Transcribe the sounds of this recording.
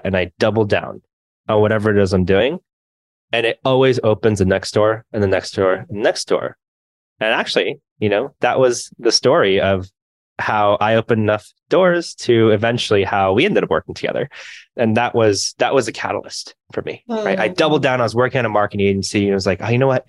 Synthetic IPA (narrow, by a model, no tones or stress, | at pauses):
ɨ̃naɪd̥ʌbl̩ˠdã̰ʊ̃n | ə̃nwʌɾɛvə˞ɨoʊzãɪ̃mdʉɪ̃ŋ | ɨ̃nɪɾɔlˠwizoʊpɨ̃nzðɨnɛksd̥ɔɹɨ̃nðɨnɛksd̥ɔɹnɛksd̥ɔ̰ɹ | ɨ̃næk̚t͡ʃʉl̩ˠi | jɨnoʊðəʔwʔʌzðɨstɔɹiʌv̥ | haʊʔaɪoʊpɨ̃nɨnʌf | d̥ɔɹz̥tʰɨɨvɛ̃nt͡ʃl̩ˠihaʊwiɛ̃ndɨɾʌvwɜ̰˞kɪ̃ŋtʰɨɡ̥ɛ̰ðə̰˞ɨ̃nðəʔwʔʌz̥ðəʔ̚wʔʌzɨkʰæ̰ɾl̩ˠə̰stfə˞mḭɹaɪɾaɪdʌbl̩ˠdãʊ̃naɪʌzwɜ˞kɪ̃ŋɨ̃nəmɑɹkɨ̃njeɪ̃nsiɨ̃nwʌzlaɪkoʊjɨnoʊwʌt̚